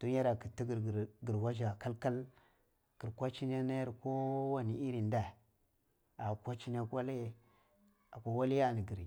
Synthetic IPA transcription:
d̥o˦a˦ɾa˨ki˨ti˦ɡɾɾɡi˨ɾwa˦ʒa˨ka˦lka˦l | ki˨ɾkʷa˦t͡ʃi˦n˦a˦na˦ja˦ɾko˦wa˦ni˨i˦ɾi˨nda˨ | a˨kʷa˦t͡ʃi˦n˦a˦kwa˦l | a˨kʷa˦wa˦li˦ja˦˨ni˨ɡi˨ɾ

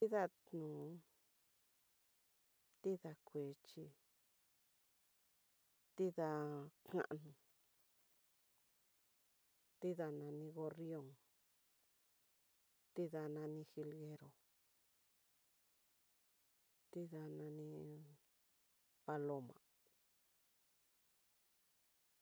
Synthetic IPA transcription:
t̪i˦ða˧tnũː˨ | t̪i˦ða˧kʷeː˨˦t͡ʃi˧ | t̪i˦ða˧kã̰˦˧ʔnũ˨ | t̪i˦ða˧nã˧nĩ˧ɣo˧rijo˧ŋ | t̪i˦ða˧nã˧nĩ˧xi˧lɣe˧ɾo˨ | t̪i˦ða˧nã˧nĩ˧ | pa˧lo˧mã̰˨

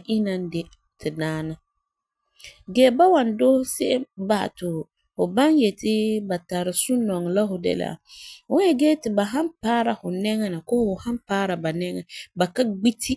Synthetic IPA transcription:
ʔi˦na˦n˦dɪ˦ | tʰɪ˨daː˦na˦ | ɡɛː˦ba˦wa˨ndo˦sɪ˦ʔɛ˦mba̰ː˨tʊ˨ | hʊ˨ba˦njɛ˨tɪ˦ba˨ta˨ɾɪ˨sʊ˦nɔ˨ŋ˨la˦ɦʊ˨dɛ̰˨lɪ̰˨a̰˨hʊ˦ɛ˦ɡɛː˦tɪ˨ba˨ɦa˦npaː˦ɾa˨hʊ˨nɛ˦ŋɛ˦na˨kɔ˦hhʊ˨ha˦mpaː˦ɾa˨ba˨nɛ˦ŋɛ̰˨ba˨ka˦ɡ͡bi˦tʰi˦

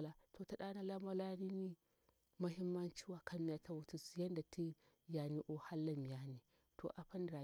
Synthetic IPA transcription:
la˨tʰo˨ta˨ɗa˦na˦la˦mɐ˦la˦ni˦ni˦ | mɐ˦ɦɪ˦mːɐ˦nt͡ʃi˦wa˨kʰa˦mi˦ja˨tʰa˦wu˦tu˦˨si˨jɐ˦nda˨tʰi˦ | ja˨ni˦ʔo˦ha˦lːa˨mi˨jaː˦ni˨ | tʰo̰˨ʔa˨ɸɐ˦nda˨

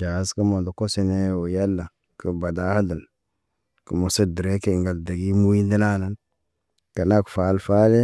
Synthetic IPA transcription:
d͡ʒa˨˦skə˦mo˨do˨ko˦se˨ne˦˨wo˨ja˦lːa˨ | kə˨ba˨da˦ha˦da˨l | kə˨mo˨sa˦di˨ɾe˦ke˦i˨ŋɡa˨lda˨ɡi˦mu˦ji˦ndi˦na˦na˦n | ka˨na˦kfa˨˦lfa˦le˦

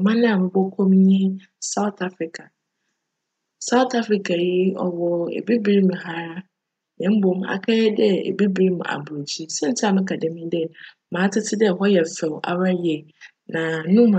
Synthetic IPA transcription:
mã˦nɪ̃˦a˨mɪ̃˨bɔ˦kʰõ˦m˦ɲɪ̃˦ | sa˦ʊ˦tʰa˦fɾɪ˨kʰa˨ | sa˦ʊ˦tʰa˦fɾi˨kʰa˨ji˦ɔ̰˨wɔ˨ḛ˨bi˦bi˦ɾi˦m̃˨ɦa˦ɾa˦ | ɲɛ̃˨m̩˦bo˨m˦a̰˨kʰɛ˦ɛ˦dɛ˦ḛ˨bi˦bi˨˦ɾi˦m˨a̰˨bo˨d͡ʑi˦sɛ̃˦n˦tʰɪ˦a˨mɪ̃˦kʰa˨dɛ̃˨mĩ˦dɛ˦ | mã˨˦tʰɪ˦tʰɪ˦dɛ˦˨ɦɔ˦jɛ˨fɛ˨wʔa̰˨ɾa˦jɛ˨ | nã˨nʊ̃˦m˨

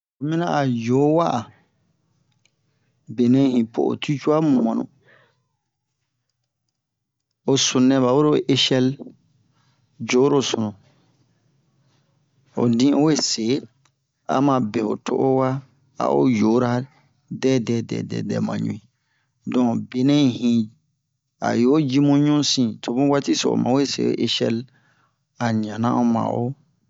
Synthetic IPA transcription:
o˨mĩ˦nã˦ʔa˨jo˨˦wa˦ʔa˨ | be˨nɛ̃˦hĩ˨pʰo̰˨o̰˨tʰu˦t͡ʃu˦a˦mũ˨mɔ̃˨nṵ̃˨ | o˨su˨nɛ̃˨βa˨wo˦ɾo˦˨ʔe˦ʃɛ˦l | d͡ʒo˨˦ɾo˦˨su˨nũ˨ | o̰˨dĩ˦o˦we˦se˨˦ | a̰˦mã˨be˨ho̰˨tʰo̰˦ʔo˦wa˦ | a̰˦ʔo̰˦jo˨˦ɾa˦ | dɛ˦dɛ˨dɛ̰ː˨dɛ̰˨dɛ̰˨mã̰˨ɲṵ̃˨ĩ˨ | dɔ̃˨be˨nɛ̃˦˨hĩ˨ | a̰˨jo˨˦d͡ʒi˦mũ˦ɲũ˦sĩ˦tʰo˨bũ˦wa˦ti˦so̰˨mã̰˨˦we˦sḛ˨˦o̰˦ʔe˦ʃɛ̰˦l | a˨ɲã˨nã̰˦o˦mã̰˨ʔo˦

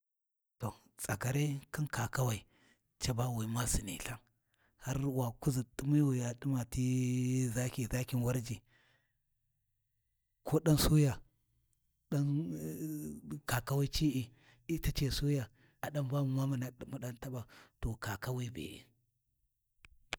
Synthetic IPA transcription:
to˨ | t͡sa˨ka˨ɾe˦ki˦nka˨ka˦wa˨i˨ | t͡ʃa˦ba˦˨wi˨ma˦si˨nḭ˨ɬa˦ŋ | ha˦ɾwa˨ku˦zi˨ɗu˦mi˦wi˨ja˨ɗi˦ma˨ti˦za˦kʲi˨za˦kʲi˦nwa˦ɾd͡ʒi˨ | kʰo˦ɗa˦nsu˦ja˨ | ɗa˦n | ka˨ka˦wa˦t͡ʃi˦ʔi˨ | i˦ta˦t͡ʃe˨su˦ja˨ | a˨ɗa˦mba˦mu˨ma˦ma˨na˦ɗi˦mu˦ɗa˦nta˦ba˨to˨ka˨ka˦wi˦˨bḛ˨ʔḭ˨

